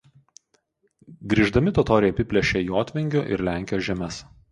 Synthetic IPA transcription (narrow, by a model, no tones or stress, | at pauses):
ɡɾʲiːʒd̪ɐmʲɪt̪ɔt̪ɔːɾʲɛjɛpʲɪpʲlʲɛʃʲɛjoːt̪ʲʋʲɪŋʲɡʲʊʔɪ̰ɾlʲæˑŋʲkʲɪjoːʒʲɛmʲɛs